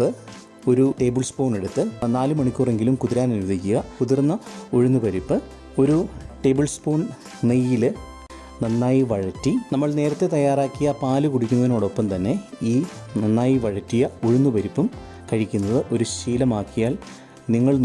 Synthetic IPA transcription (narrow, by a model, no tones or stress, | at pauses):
ɨ | o̞ɾuʈe̞ːbɨlspo̞ːne̞ɽut̪ːɨnaːlɨmɐɳikʲːuːre̞ŋɡilumkuðiɾaːnniɾuðikʲːuɣɐkuðirnːɐoɻunːupɐɾipːɨ | o̞ɾuʈe̞ːbɨlspoːn | nejːilɨ | nɐnːaːjiʋɐɻɐtːinɐmːɐɭne̞ːɾɐt̪ːet̪ɐjːaːraːkːijɐpaːlɨkuɽikʲːunːɐðino̞ːɽo̞pːɐmt̪ɐnːe̞iːnɐnːaːjiʋɐɻɐtːijɐoɻunːupɐɾipːum | kɐɻikʲːunːɐðɨʔo̞ɾuɕiːlɐmaːkːijaːl | niŋːɐɭ